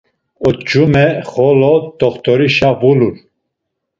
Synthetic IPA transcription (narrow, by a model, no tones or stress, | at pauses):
ɔt̪d͡ʒumɛχɔlɔd̪ɔχt̪ɔɾiʃavulul